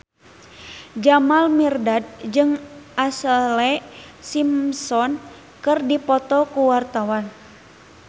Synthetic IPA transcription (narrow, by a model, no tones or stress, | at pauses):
d͡ʒamalmirdad̚d͡ʒɨŋʔasəlɛ | simsɔn | kɨrdipɔt̪ɔkuwart̪awan